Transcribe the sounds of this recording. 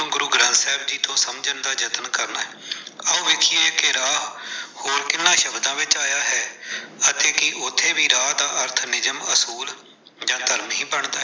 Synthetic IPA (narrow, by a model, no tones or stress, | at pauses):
ũːɡʊɾuːɡɾãːsɛːb̚d͡ʒiːt̪õːsəmd͡ʒənd̪aːd͡ʒət̪nkəɾnaːɛːəũːʋeːkʰiːeːkɪɾaːɦhoːɾkɪnːãːʃəbd̪ãːʋɪt͡ʃaːjaːɦɛːət̪eːkɪʔʊt̪ʰːeːbiːɾaːd̪aːʔəɾt̪ʰnɪzəməsuːl | d͡ʒãːt̪əɾmɦĩːbəɳd̪aː